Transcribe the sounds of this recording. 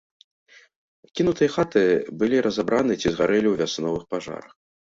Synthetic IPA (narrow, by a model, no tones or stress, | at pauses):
kʲinut̪ɨjɐxat̪ɨbɨlʲiɾɐzabɾʔanɨt͡sʲizɣaɾɛlʲiwvʲasnɔvɨxpaʐa̰ɾɐx